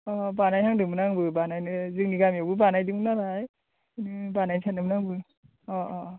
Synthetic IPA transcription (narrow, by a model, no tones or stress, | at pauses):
ɔbanajtʰaŋdɯmɯnaŋbɯbanajnɯzɯkniɡamjabɯbanajdɯŋnaɾaj | nɯbanajnsʰanɯmnaŋbɯ | ɔɔ